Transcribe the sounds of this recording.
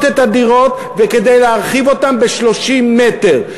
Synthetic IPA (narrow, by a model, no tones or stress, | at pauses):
t̪et̪ad̪iʁo̞t | veke̞d̪ejleaʁχivo̞tambe̞ʃlo̞ʃimːe̞t̪eʁ